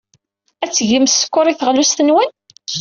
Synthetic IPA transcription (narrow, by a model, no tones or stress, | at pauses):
æt͡sːʝəmsə̥kːʊɾˤiθəʁlust̪ənwæn